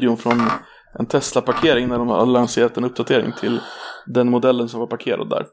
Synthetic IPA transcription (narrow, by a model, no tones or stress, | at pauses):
d̪ɪʊnfɾɔn | ʔɛnt̪ʰɛslapaɾkʰeːɾɪŋnæɖɔmha̰lanseːɾat̪ɛnɵp̚d̪at̪ʰeːɾɪ̰ŋt̪ʰɪld̪ɛnmʊd̪ɛlːənsɔmvaɾpʰaɾkʰeːɾa̰d̪̚ːæ̰ːɾ